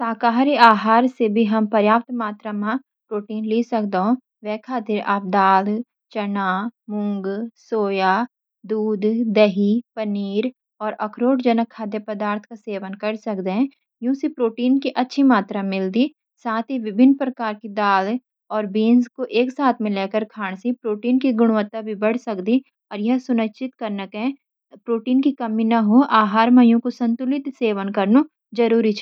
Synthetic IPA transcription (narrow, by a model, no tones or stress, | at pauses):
saːkaːɾiaːɦaːɾsebʱiɦɐmpɐɾjaːp̚t̪maːt̪ɾamã | pɾoːʈiːnliːsɐkd̪ɦõ | ʋɛːkʰaːt̪ɪɾaːp̚d̪aːl | t͡ʃɐnaːmʊ̃ŋɡsoːja | d̪uːd̪ːɛɦipəniːɾ | ɔːɾʔɐkʰɾoːʈd͡ʒənəkʰːaːd̪jəpɐd̪aːɾt̪ʰkaseːʋənkɐɾsɐkd̪eɦɛ̃ | jũːsipɾoːʈiːnkiʔɐtːʃʰimaːt̪ɾamɪld̪i | saːt̪ʰɦiʋɪbʱɪnːpɾɐkaːɾkid̪aːl | ɔːɾbiːnzkoʔeːksaːt̪ʰmẽleːkəɾkʰaːɽ̃sipɾoːʈiːnkiɡʊɽ̃ʋət̪ːabʱibɐɽ̤sɐkd̪i | ɔːɾjɐɦsʊnət͡ʃɪt̪kɐɾnəkɦɛ̃ | pɾoːʈiːnkikɐminɐɦoʔaːɦaːɾmɐjũkosɐ̃nt̪ʊlɪt̪seːʋənkɐɾno | d͡ʒɐɾuːɾit͡ʃʰː